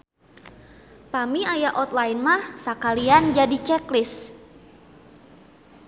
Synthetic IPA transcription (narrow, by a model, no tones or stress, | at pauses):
pamiajaʔɔt̪̚laɪnmahsakaliand͡ʒadit͡ʃɛklɪs